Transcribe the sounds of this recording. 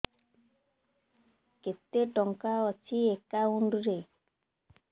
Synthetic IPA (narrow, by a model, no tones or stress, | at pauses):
ket̪ːeʈɔŋkaɔt͡ʃʰiekauɳɖuɾe